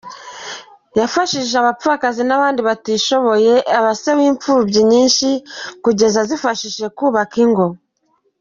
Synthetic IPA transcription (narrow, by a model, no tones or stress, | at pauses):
jafaʃiʒeaβap͡fuakazinaβaːndiβatiʃo̞βo̞je̞ʔaβasewiːɱfubɟiɲiːnʃikuɟe̞zazifaʃiʃe̞kuːβakiŋɡo̞